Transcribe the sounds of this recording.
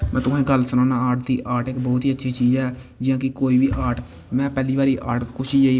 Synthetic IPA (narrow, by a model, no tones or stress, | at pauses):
mɛ̃ːt̪ʊsʰẽːɡəlsənãːnaːaːʈ̚d̪iːʔaːʈɪkbɔːt̪iːətːʃʰiːt͡ʃiːzɛː | d͡ʒɪjãːkɪkoːiːbiːʔaːʈ | mɛ̃ːpɛːliːbaːɾiːʔa̰ːʈkʊʃiːd͡ʒaiː